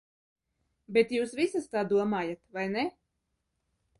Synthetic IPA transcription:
bet̪juːsvisast̪aːd̪uɔmaːjat̪vajne

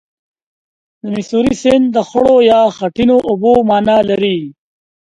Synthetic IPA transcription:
d̪əmɪsuɾisɪnd̪əxʊɽojɑːxaʈinoʔʊbomɑːnalaɾi

